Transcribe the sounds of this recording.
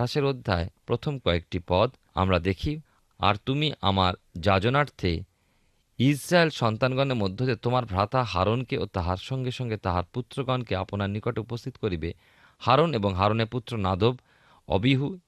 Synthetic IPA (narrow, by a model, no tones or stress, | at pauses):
aʃeɾod̪ʱːa̰epɾot̪ʰomkɔek̚ʈipɔd̪ | a̰mɾad̪ekʰi | a̰ɾt̪umiʔa̰maɾd͡ʑad͡ʑonaɾt̪ʰe | isɾaelʃɔnt̪anɡɔneɾmod̪ʱːeot̪et̪omaɾbʱɾat̪aɦaɾonkeot̪aɦaɾʃɔŋɡeʃɔŋɡet̪aɦaɾput̪ːɾoɡɔnkeaponaɾnikoʈeupost̪ʰi̥t̪o̥koɾibe | haɾoneboŋɦaɾoneɾput̪ːɾonad̪ob | ɔ̰biɦu